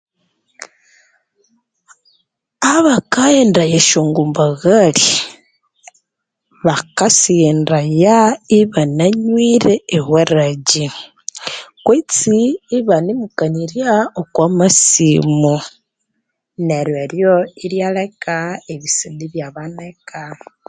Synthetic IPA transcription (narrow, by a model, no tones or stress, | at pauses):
aβakaendɾajeʃoːŋɡumbaɣali | βakasiendajaiβanaɲwiɾeːwweɾaɟi | kwet͡siːβanimukaniɾjaokwamasimu | neɾweɾjoiɾjalekaeβisiːndiβjaβaneka